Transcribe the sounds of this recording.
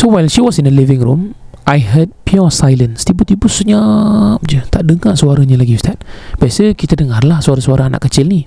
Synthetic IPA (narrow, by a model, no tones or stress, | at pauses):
sowajlʃiwɔsinəlivɪ̃ŋɾumʔajɦəd̚piɔsajlənst̪ibut̪ibusəɲap̚d͡ʒət̪aʔdəŋaʔsuaɾaɲəlaɡist̪at̪̚b̥iasəkit̪ədəŋarlahsuaɾasuaɾaana̰ʔkət͡ʃɪlni